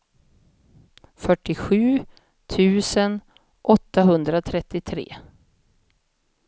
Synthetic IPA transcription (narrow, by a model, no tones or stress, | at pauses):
fœʈːɪɧʉ̟ː | t̪ʰʉ̟ːsən | ʔɔt̪ːaɦɵnd̪ɾat̪ʰɾɛt̪ːɪt̪ʰɾḛː